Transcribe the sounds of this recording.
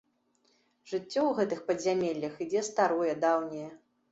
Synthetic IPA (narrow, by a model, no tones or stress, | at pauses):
ʐɨt͡sʲːɔwɣɛt̪ɨxpɐzʲamʲelʲːɐxid͡zʲɛst̪aɾɔjɛd̪awnʲɐjɛ